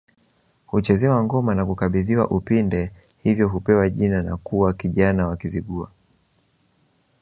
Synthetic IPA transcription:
hut͡ʃɛzɛwaŋɡɔmanakukaɓiðiwa̰ʔupindɛ | hivjɔɦupɛwaʄinanakuwakiʄanawakiziɠua̰

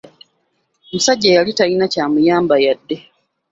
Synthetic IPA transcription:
musaɟːajalitainacaːmujaːmbajadːe̞

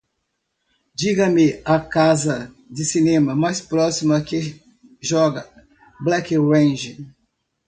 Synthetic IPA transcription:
d͡ʒiɡɐmɪɐkazɐ | d͡ʒɪsinẽmɐmajspɾɔsimɐkɪ | ʒɔɡɐ | blɛkwẽʒɪ

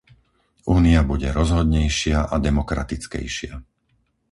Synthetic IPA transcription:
uːniabuɟɛɾɔzɦɔd̪ɲɛjʃɪaʔad̪ɛmɔkɾa̰t̪it͡skɛ̰jʃɪa

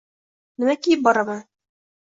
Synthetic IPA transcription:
nɘ̆mækijɘp̚bɒɾɑmɤ

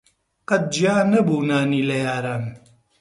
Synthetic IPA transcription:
qɐt̪̚d͡ʒijaːnɐbuːnaːniːlɐjaːɾaːn

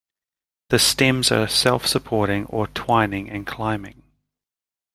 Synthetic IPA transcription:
ðəstɛ̃mzə̰sɛlˠfsəpʰɔɹɾɪ̃ŋə̰tʰw̥ãɪ̃nɪ̃ŋɨ̃nkʰl̥ãɪ̃mɪ̰̃ŋ

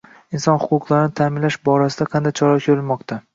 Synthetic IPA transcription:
insɒnhʊqʊqlˠaɾɪnɪt̪ʰamɪnlaʃbɒɾasɪd̪aqʰɑnd̪ajt͡ʃʰɒɾɒkʲʰoɾɪlmɒqt̪ʰa

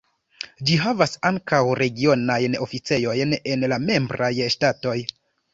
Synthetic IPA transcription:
d͡ʒiɦavasaŋkawɾe̞ɡio̞najno̞fit͡se̞jo̞jne̞nlame̞mbɾajʃtato̞j

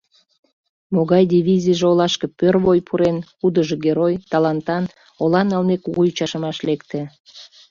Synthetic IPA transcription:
moɣɑjd̪ivʲizʲiʒeolɑʃkəpørvojpʰuɾenkud̪əʒeɣeɾojt̪ɑlɑnt̪ɑn | olɑnɑlnekuɣujut͡ɕɑʃəmɑʃlekt̪e

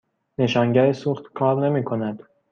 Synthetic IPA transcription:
ne̞ʃɒːŋɟæɾesuːχt̪kʰɒːɾne̞miːkʰo̞næd̪̥

